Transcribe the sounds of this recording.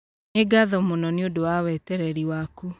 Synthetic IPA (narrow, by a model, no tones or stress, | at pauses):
eɡaðɔmonɔneodowawɛtɛɾɛɾiwaku